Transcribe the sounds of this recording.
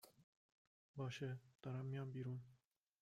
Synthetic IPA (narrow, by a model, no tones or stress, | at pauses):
bɑːʃɛt̪ɑɾɑmːijɑːbiːɾuːn